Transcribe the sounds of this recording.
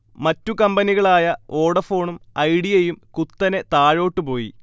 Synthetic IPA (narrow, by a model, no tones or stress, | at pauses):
mɐtːukɐmbɐniɣɐɭaːjɐo̞ːɽɐfo̞ːɳumɐjɽijejumkut̪ːɐne̞t̪aːɻo̞ːʈːɨpo̞ːji